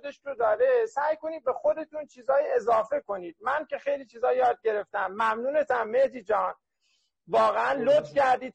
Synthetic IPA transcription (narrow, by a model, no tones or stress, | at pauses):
d̪e̞ʃɾod̪ɒːɾe̞sæːjko̞niːd̪̚be̞xo̞d̪e̞t̪unt͡ʃʰiːzɒːjiezɒːfe̞ko̞niːd̪̥̚mænce̞xe̞jliːt͡ʃʰiːzɒːjɒːd̪̚ɟe̞ɾe̞ft̪æmːæmnuːne̞t̪ʰæmːehd̪iːd͡ʒɒːn | vɒːɣeænlot̪fcæɾd̪iːd̪̚